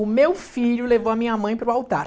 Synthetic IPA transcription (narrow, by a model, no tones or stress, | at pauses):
ʊmewfiʎʊlevowɐmĩɲɐmɐ̃j̃pɾʊawt̪aɾ